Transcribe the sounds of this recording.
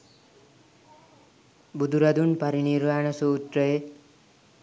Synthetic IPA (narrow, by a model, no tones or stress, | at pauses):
bud̪uɾad̪unpaɾiniɾbaɳʌsout̪rʌe